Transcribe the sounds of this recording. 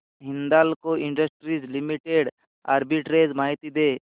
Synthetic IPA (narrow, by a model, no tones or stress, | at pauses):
ɦɪ̃nd̪alkoɪ̃ɳɖəsʈɾid͡ʒlimiʈeɖ | aːɾbiʈɾeːd͡ʒmaːɦit̪id̪eː